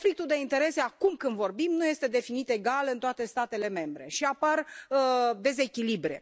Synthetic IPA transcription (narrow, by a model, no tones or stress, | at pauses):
flik̚t̪uld̪e̞int̪e̞ɾe̞se̞akumkɨnd̪vo̞rbimnuje̞st̪e̞d̪e̞finit̪e̞ɡalɨnt̪oat̪e̞st̪at̪e̞le̞me̞mbɾe̞ʃiapar | d̪e̞ze̞kʲilibɾe̞̰